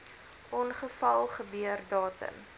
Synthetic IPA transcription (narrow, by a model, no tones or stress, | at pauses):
ʔɔnχəfɐlˠχəbyərdɑːtə̰n